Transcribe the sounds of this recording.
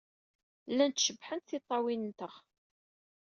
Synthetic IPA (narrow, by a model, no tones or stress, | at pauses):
lːænt̪ʃəbːħənt̪θɪt̪ˤːɑwinənt̪əʁ